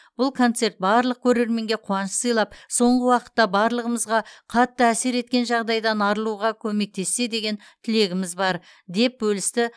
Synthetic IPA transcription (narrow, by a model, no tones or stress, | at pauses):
b̥ʊlˠkʰo̞nt̪se̞ɾt̪̚bɑɾlˠəq̚kʲʰɵɾe̞ɾme̞ŋɡʲe̞qʰuɑnəəssəjlˠɑpso̞ɴʁəwɑqə̥t̪ːɑbɑɾlˠəʁəməzʁɑqʰɑt̪ːəæse̞ɾe̞t̪kʲe̞nʒɑʁd̪ɑjd̪ɑnɑɾəlˠuʁɑkʲʰɵme̞k̚t̪ʰe̞sːe̞d̪e̞ɡʲe̞n | t̪ʰɪle̞ɡʲɪmɪzbɑɾ | d̪e̞p̚bɵlɪst̪ɪ